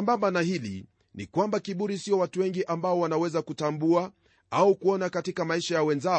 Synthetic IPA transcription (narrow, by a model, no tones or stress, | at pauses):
ambambanahilḭ | nḭkwambakiɓuɾisiɔwatuwɛŋɡiʔambaɔwanawɛzakutambua | aukuɔnakatikamaiʃajawɛnza